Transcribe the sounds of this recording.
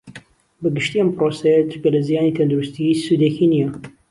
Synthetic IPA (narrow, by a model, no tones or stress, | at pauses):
bɐɡɨʃt̪iɐmpɾosɐjɐt̪ʰɨɾkɐlɐzijaːnit̪ʰɐnd̪uɾust̪isud̪ekinijɐ